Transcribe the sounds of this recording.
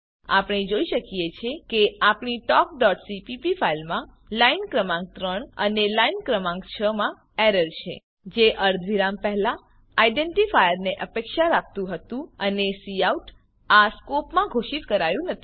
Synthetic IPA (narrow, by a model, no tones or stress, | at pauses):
a̰pɳ̃id͡ʒoiʃəkijet͡ʃʰekeapɳ̃iʈɔk̚ɖɔʈsipipifailmã | lainkɾəmãŋɡ̚t̪ɾəɳ̃ə̰nelainkɾəmãŋɡt͡ʃʰəmã | eɾəɾt͡ʃʰḛ | d͡ʒeʔəɾd̪ʱʋiɾampɛɦla | aiɖeɳʈifajəɾneʔəpekʃaɾak̚t̪ũɦət̪ũənesiauʈ | askopmãɡʱoʃit̪kəɾajũnət̪ʰi̥